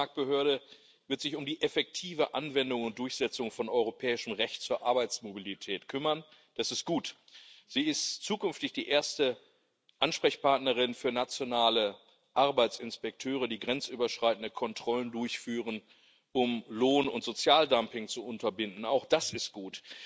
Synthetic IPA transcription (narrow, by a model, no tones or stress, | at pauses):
aɐk̚t̚b̥əhøːɐɾə | vɪɐtz̥ɪçʊmdiːʔɛfɛk̚tʰiːvəʔa̰nvɛndʊŋʊnt̚d̥ʊɐçz̥ɛt͡sʊŋfɔnɔʏʁopʰɛːɪʃəm̩ʁɛçtt͡suːɐʔaɐbaɪt͡smobilitʰɛːtkʰʏmɐn | d̥asɪst̚ɡ̥uːt | z̥iːɪstt͡suːkʏnftɪçd̥iːʔeːɐstə | ʔanʃpʁ̥ɛçpʰaɐtnəʁ̞ɪnfyːɐnat͡sjonaːlə | ʔaɐbaɪt͡sɪnspɛk̚tʰøːʁ̞ədiːɡʁɛnt͡sʔyːbɐʃʁ̥aɪtn̩dəkʰɔntʁ̥ɔləndʊɐçfyːʁən | ʔʊmloːnʊntz̥ot͡sjaːldampɪŋt͡suʔʊntɐbɪndn̩aʊxd̥asɪst̚ɡ̥uːt